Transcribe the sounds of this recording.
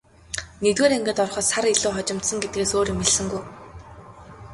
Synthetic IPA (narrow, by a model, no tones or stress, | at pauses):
net̪weːɾeŋɡɘ̆t̪ɔrχɞ̆saɾiɮuːχɔt͡ɕɪ̆m̥t̪sə̆ŋɡet̪̚ɡeːsoːɾimeɮsɘ̆ŋɡuj